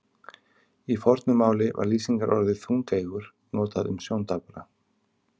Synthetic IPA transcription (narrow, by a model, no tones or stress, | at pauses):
ifɔɾt̪nʏmaːwlɪva̰ɾliːsiŋkaɾʔɔɾðɪθuŋkejɣʏɾ̥ | noːt̪aðʏ̰msjoːwnt̪apɾa